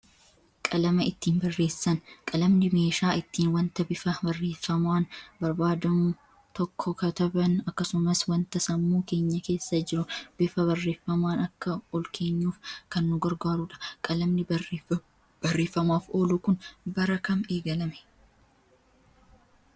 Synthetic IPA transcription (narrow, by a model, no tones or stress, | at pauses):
kʼɐlɐmɐɪt̪ːiːnbɐrːe̞ːsːɐnkʼɐlɐmnɪme̞ːʃaːɪt̪ːiːnwɐnt̪ɐbɪfɐbɐrːe̞ːfːɐmʊaːnbɐɾbaːd̪ɐmu | t̪ɔkʰːɔkɐt̪ɐbɐnɐkːɐsʊmɐswɐnt̪ɐsɐmːuːke̞ːɲːɐke̞ːsːɐd͡ʒɪɾʊb̥ɪfɐβɐrːe̞ːfːɐmaːnɐkːɐɔlkʰe̞ːɲːuːfkɐnːʊɡɐɾɡaːɾuᶑɐ̥kʼɐlɐmnɪ | bɐrːe̞ːfːɐmaːfo̞ːlukʊnbɐɾɐkɐme̞ːɡɐlɐmɛ̥